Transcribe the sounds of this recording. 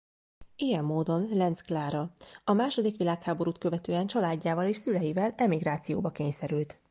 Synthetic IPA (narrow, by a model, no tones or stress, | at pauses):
ijɛmːoːd̪o̞nlɛnsklaːɾɒɒmaːʃo̞d̪ikʋilaːkhaːbo̞ɾuːt̪̚kø̞vɛt̪øːɛnt͡ʃɒlaːɟːaːvɒleːʃsylɛjivɛlɛmiɡɾaːt̪sijoːbɒkeːɲsɛɾylt̪